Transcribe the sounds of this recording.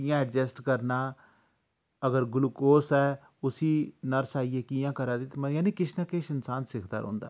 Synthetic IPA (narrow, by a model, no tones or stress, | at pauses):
ijãːɛɖd͡ʒɛsʈkəɾnaː | əɡəɾɡʊlukoːsɛː | ʊsiːnəɾsaːiːeːkiːjãːkəɾaːd̪iːt̪mjãːniːkɪʃnaːkeːʃɪnsaːnsɪkʰd̪a̰ːɾõ̰ːnd̪a̰ː